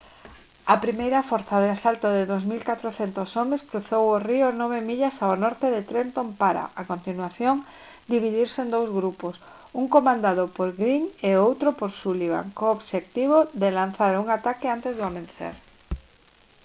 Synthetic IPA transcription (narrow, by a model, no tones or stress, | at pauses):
ɐpɾimejɾɐfɔɾθaðeasalt̪oðɪðozmilkat̪ɾoθent̪osɔmeskɾuθoworiʊnɔβemiʎasaonɔɾt̪eðet̪ɾent̪ompaɾa̰ʔakont̪inwaθjoŋ | d̪iβ̞iðiɾseːnd̪owzɣɾupos | uŋkomãnd̪aðopoɾɣɾiŋeowt̪ɾopoɾsuliβa̰ŋkoːβʃek̚t̪iβ̞oðelanθaɾuŋat̪akɪant̪ezðʊamẽnθḛɾ